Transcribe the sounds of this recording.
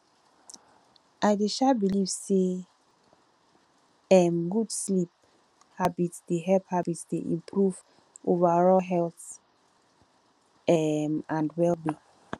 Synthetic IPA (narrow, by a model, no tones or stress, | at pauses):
ʔajdeʃabilivse | ɛmɡudslip̚ | habitsdeɦɛlphabitsdeʔḭ̃mpʰɹuv | ʔovaɹɔɦɛlθ | ɛmãndwɛlbi